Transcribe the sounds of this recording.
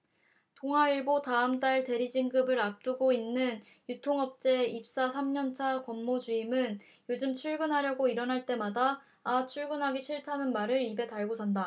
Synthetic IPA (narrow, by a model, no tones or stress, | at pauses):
toŋɦaiɭbotaɯmt͈aɭte̞ɾid͡ʑiŋɡɯbɯɾap̚t͈uɡoinːɯn | jutʰoŋʌp̚t͡ɕ͈e̞ip̚s͈asʰamɲʌnt͡ɕʰakʌmːod͡ʑuimɯn | jod͡ʑɯmt͡ɕʰuɭɡɯnɦaɾjʌɡoiɾʌnɦaɭt͈e̞madaː | t͡ɕʰuɭɡɯnɦaɡiɕʰiɭtʰanɯnmaɾɯɾibe̞taɭɡosʰanda